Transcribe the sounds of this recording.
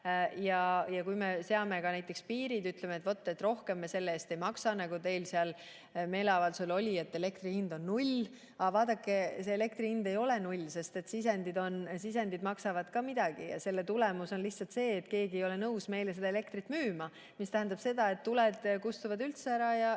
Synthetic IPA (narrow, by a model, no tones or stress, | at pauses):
jɑjɑkujme̞se̞ɑme̞kɑnæjt̪ːˑe̞kspiːɾid̪yt̪lemet̪vo̞t̪ːˑet̪ro̞hke̞mːese̞lːeeːst̪e̞jmɑksɑnɑɡut̪e̞jlseɑl | me̞ːleɑvɑlsulo̞lʲie̞t̪ːe̞le̞kt̪rihind̪̥o̞nːulʲ | ɑvɑːd̪ɑkːˑe̞seːle̞kt̪riind̪e̞jo̞le̞nulʲse̞st̪e̞t̪sis̬e̞nd̪id̪o̞nsis̬end̪id̪mɑksɑvɑd̪̥kɑmid̪̥ɑɡ̥ijɑ̰se̞lːe̞t̪ulemuso̞nliçtsɑlt̪se̞ːt̪ke̞ːɡiejo̞le̞nɤuwsme̞jlese̞d̪ɑele̞k̚t̪ɾit̪ːˑmyːmɑ | mist̪æɦend̪ɑb̥se̞d̪̥ɑe̞t̪ːuled̪̥kust̪uvɑd̪ylt̪seæɾɑjɑ